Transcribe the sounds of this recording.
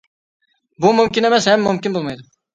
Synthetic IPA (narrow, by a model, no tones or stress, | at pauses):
bumumkʲinemɛsɦɛmːumkʲinbolˠmɑjd̪u